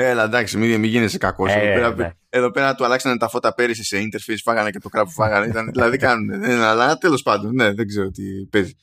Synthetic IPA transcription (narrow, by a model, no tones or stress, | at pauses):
elɐd̪ɐksimiðemiʝinesekɐko̞seðopeɾɐp | e̞ðo̞pe̞ɾɐt̪uɐlɐksɐne̞t̪ɐfo̞t̪ɐpe̞ɾisise̞int̪e̞ɾfisfɐɣɐnece̞t̪o̞kɾɐpufɐɣɐneit̪ɐnðilɐðikɐnuneðeɐlɐt̪e̞lo̞spɐnd̪o̞nne̞ðeɡze̞ɾot̪ipe̞zi